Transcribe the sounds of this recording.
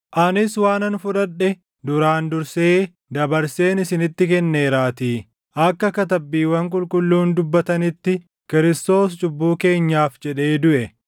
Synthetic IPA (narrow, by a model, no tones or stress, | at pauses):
ʔɐnɪswaːnɐnfʊᶑɐᶑːɛ | d̪ʊɾaːnd̪ʊɾse̞ː | d̪ɐbɐɾse̞ːnɪsɪnɪt̪ːɪkɛnːe̞ːɾaːt̪iː | ʔɐkːɐkɐt̪ɐbːiːwɐŋkʼʊlkʼʊlːuːnd̪ʊbːɐt̪ɐnɪt̪ːɪ | kɪɾɪst̪o̞ːst͡ʃʼʊbːuːke̞ːɲːaːfd͡ʒɛᶑe̞ːd̪ʊʔɛ